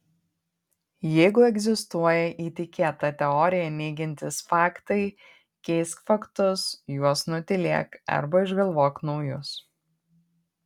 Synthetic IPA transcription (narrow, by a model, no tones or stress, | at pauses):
jɛɪɡʊɛɡzʲɪst̪uɔjɛʔiːt̪ʲɪkʲeːt̪ɐt̪ʲɛɔːɾʲɪjɛnʲɛɪɡʲɪnʲt̪ʲɪsfɑːkt̪ɐɪ | kʲɛɪskfɐkt̪ʊsjuɔsnʊt̪ʲɪlʲiɛkɐ̰ɾbɐɪʒɡɐlˠʋoːknɒʊjʊs